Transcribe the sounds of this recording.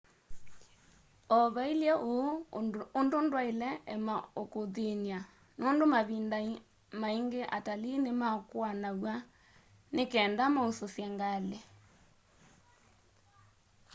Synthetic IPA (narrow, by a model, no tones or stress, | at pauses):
ɔβailjɛʔoondondwailɛɛmaokoðenia | noːndomaβinda | maiŋɡeʔatalinemakwanawa | nekɛːndamausosjaŋɡale